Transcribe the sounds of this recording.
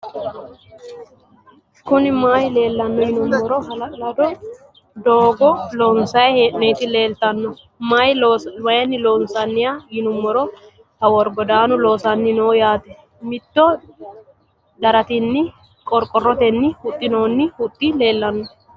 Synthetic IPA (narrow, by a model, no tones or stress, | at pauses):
kʊnɪmaːjle̞ːlːɐnːɔjɪnʊmːɔɾɔɦɐlɐlɐd̪ɔ | d̪oːɡɔloːnsɐjheːʔnɔjt̪ɪle̞ːlt̪ɐnːɔ | majwɐjɛnːɪloːnsɐnːɪjajɪnʊmːɔɾɔ | hɐwɔɾɡɔd̪aːnʊlo̞ːsɐnːɪnoːjaːt̪ɛ | mɪt̪ːɔ | d̪ɐɾɐt̪ɪnːɪ | kʼɔɾkʼɔrːɔt̪ɛnːɪhʊt̪ʼːɪnoːnːɪhʊt̪ʼːɪle̞ːlːɐnːɔ